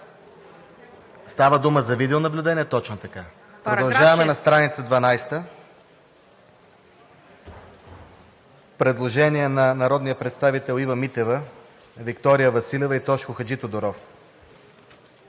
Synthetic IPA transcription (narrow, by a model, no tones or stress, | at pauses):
st̪avəd̪uməzɐvid̪ɛʊnɐblʲʊd̪ɛnʲiɛt̪ɔt͡ʃnot̪ɐka | pɾodd̪ɐlˠʒavɐmɛnɐst̪ɾanit̪səd̪vɐnajst̪ə | pɾɛd̪lˠoʒɛniɛnɐnɐɾɔd̪nijəpɾɛt̪st̪avit̪ɛlˠivɐmit̪ɛvə | vikt̪ɔɾijəvɐsilʲɛvɐit̪ɔʃkʊxɐd͡ʒit̪od̪oɾɔf